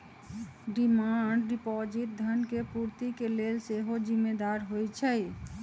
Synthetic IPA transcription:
ɖimaɳɖɖipɔd͡ʒiʈ̚d̪ʱənkepuɾt̪ikelelseɦod͡ʒimːed̪aɾɦojt͡ʃʰɛj

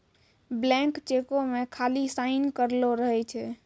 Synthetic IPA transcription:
blɛ̃kt͡ʃekomekʰalisaɪnkəɾloɾəɦɛt͡ʃʰɛ

